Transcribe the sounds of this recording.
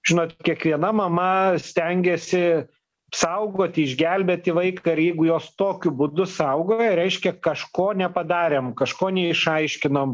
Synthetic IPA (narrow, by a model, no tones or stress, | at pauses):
ʒʲɪnoːt̪ʲkʲiɛkʋʲiɛnɐmɐmɐsʲt̪ʲɛŋʲɡʲɛsʲɪ | ɐpsɐʊɡoːt̪ʲɪɪʒʲɡʲɛlʲbʲeːt̪ʲɪʋɐɪkɐɪɾjɛɪɡʊjoːst̪oːkʲʊbʊd̪ʊsɐʊɡoːjɛɾʲɛɪʃʲkʲɛkɐʃkoːnʲɛpɐd̪ɑːɾʲeːmkɐʃkoːnʲɛɪʃɐɪʃʲkʲɪnom